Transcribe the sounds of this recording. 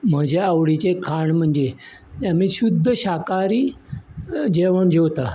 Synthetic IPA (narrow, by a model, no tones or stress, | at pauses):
m̤əd͡ʑaawɽit͡ɕekʰaɳm̤əɳd͡ʑe | amiːɕud̪ʱːəɕakaɾiː | d͡ʑeʋəɳd͡ʑewt̪a